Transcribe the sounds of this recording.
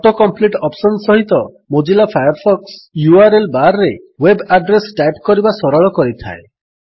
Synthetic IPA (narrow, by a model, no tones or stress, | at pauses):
ɔʈokɔmpliʈɔpsɔnsɔɦit̪ɔ | mod͡ʒilapʰajɔɾpʰɔksjuaɾelbaɾːe | webaɖɾesʈajpkɔɾibasɔɾɔɭɔkɔɾit̪ʰa̰e